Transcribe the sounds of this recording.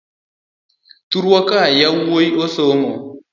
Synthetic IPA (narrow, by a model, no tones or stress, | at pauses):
tuɾwakajawojiosoŋɔ